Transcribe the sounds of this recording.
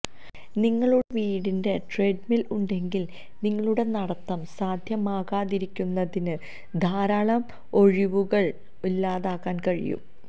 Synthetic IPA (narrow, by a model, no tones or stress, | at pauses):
niŋːɐɭuɽeʋiːɽinde̞ʈre̞ɖmiluɳɖe̞ŋɡil | niŋːɐɭuɽe̞nɐɽɐt̪ːɐmsaːd̪ʱjɐmaːɣaːðiɾikʲːunːɐðinɨ | d̪ʱaːɾaːɭɐm | o̞ɻiʋuɣɐɭ | ulːaːðaːkːaːnkɐɻḭjṵm